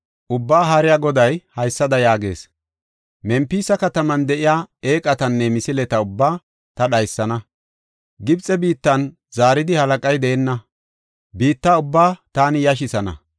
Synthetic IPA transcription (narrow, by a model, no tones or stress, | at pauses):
ʔʊbːaːɦɐɾɪjaːɡɔd̪ɐjhɐjsːɐd̪ɐjaːɡe̞̰ːs | mɛmpiːsɐkɐt̪ɐmɐnd̪ɛʔɪjaːe̞ːkʼɐt̪ɐnːɛmɪsɪlɛt̪ɐʊbːaː | t̪ɐɗɐjsːɐnɐ | ɡɪbt͡sʼːɛbiːt̪ːɐn | z̥aːɾɪd̪ɪhɐlɐkʼɐjd̪ɛɛnːɐ | biːt̪ːaʊbːaːt̪aːnɪjɐʃ̬ɪsɐnɐ̰